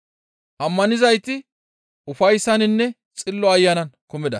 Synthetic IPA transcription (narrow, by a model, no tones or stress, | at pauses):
ʔɐmːɐnɪzɐjt̪ɪ | ʔʊfɐjsːɐnɪnːɛ | t͡sʼɪlːɔɐjːɐnɐnkʊmɪd̪ɐ